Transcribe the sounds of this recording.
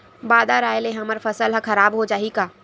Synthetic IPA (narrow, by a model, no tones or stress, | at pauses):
baːd̪aɾaːjleɦɐməɾfɐsəlɦɐkɐɾaːbɦod͡ʒaːɦikaː